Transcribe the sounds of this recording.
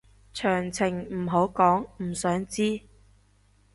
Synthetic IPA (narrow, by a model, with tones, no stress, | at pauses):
t͡ʃʰœː˨˩ŋt͡sʰɪ˨˩ŋm̩˨˩ɦo˨˥wkɔː˨˥ŋm̩˨˩sœː˨˥ŋt͡siː˥